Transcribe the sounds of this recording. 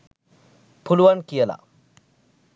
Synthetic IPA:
pʰuluwankijəla̰

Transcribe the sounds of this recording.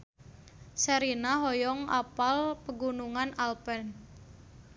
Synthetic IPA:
səɾinaɦɔjɔŋa̰palpəɡunuŋanalpɛn

